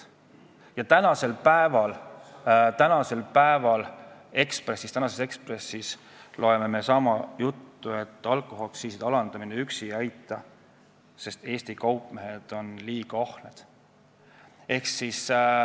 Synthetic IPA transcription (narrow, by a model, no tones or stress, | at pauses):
jɑt̪ænɑse̞lpæevɑl | t̪ænɑse̞lpæevɑle̞kspre̞sist̪ænɑse̞se̞kspre̞sːis | lʔo̞e̞me̞me̞sɑmɑjut̪ːue̞t̪ːˑɑlkˑoɦo̞ksiːsid̪ɑlɑnd̪̥ɑmineyksiɑjt̪ːˑɑ | se̞st̪e̞ːsʲt̪ikɑwpˑmeɦe̞d̪̥o̞nliːɡ̥ɑohne̞d̪̥ | e̞hksis